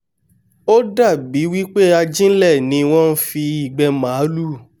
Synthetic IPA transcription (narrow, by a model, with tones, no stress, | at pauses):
o˦da˦˨bi˨˦wi˦k͡pe˦a˧d͡ʒĩ˦n̩˦lɛ˦˨nĩ˨˦w̃ɔ̃˦n̩˦fi˧i˦˨ɡ͡bɛ˧mãː˨˦lu˦˨